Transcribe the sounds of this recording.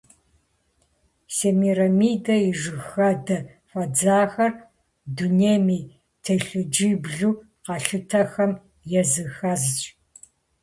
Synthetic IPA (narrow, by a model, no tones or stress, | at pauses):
seːmiːɾɐmiːdɐiʐɨxɐdɐ | fʷɐd͡zaːxɐr | duneːmiː | tʰɐɬɨd͡ʒibɮuː | qɐɬɨtʰɐxɐm | jɛzɨxɐzt͡ʃʼ